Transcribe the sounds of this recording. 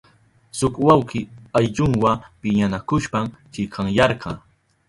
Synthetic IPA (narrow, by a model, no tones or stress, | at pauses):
sʊkwawkɪajʎʊŋwapɪɲanakʊʃpamt͡ʃɪkʰɑŋjɑɾqʰɑ